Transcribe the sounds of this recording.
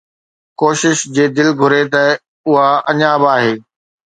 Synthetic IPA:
koːʃɪʃd͡ʑeːd̪ɪlɡʱʊɾet̪ɐ | ʊɦaɐɲaːbaːɦeː

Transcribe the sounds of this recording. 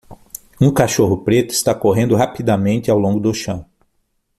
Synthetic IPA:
ũkaʃoɦʊpɾet̪ʊɪst̪akoɦẽnd̪ʊɦapid̪amẽnt̪ɪawlõŋɡʊd̪ʊʃɐ̃w̃

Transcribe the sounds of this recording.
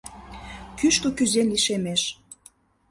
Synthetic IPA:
kyʃt̪okyzenliʃemeʃ

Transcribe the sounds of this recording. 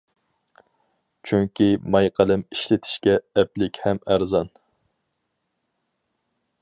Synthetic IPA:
t͡ʃʰyŋkʲimɑjqʰælɪmiʃlɪt̪ʰɪ̥ʃkʲɛːplɪkʲhɛmæɾzɑn

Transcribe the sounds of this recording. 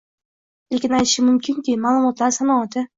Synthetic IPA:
ekʲɪnajt̪ʰɪ̥ʃɪmʊmkʰʲɪŋkʲɪmaːlˠɨmɒt̪lˠɑɾsanawat̪ɪ

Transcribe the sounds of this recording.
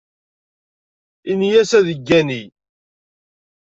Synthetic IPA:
injæsæðəɡːæni

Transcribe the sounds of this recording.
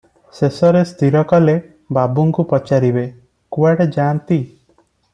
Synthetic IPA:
sesɔɾest̪ʰiɾɔkɔle | babuŋkupɔt͡ʃaɾibe | kuaɽed͡ʒaːnt̪i

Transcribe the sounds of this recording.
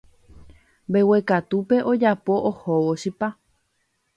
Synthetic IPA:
bewe̞kat̪upe̞ʔod͡ʒapo̞ʔohowoʃipa

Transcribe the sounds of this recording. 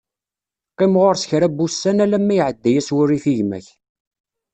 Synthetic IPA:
qːemʁʊɾsə̥çɾæbːusːænælæmːæjʕəd̪ːæjæswʊrːiθiʝmæ̰ç

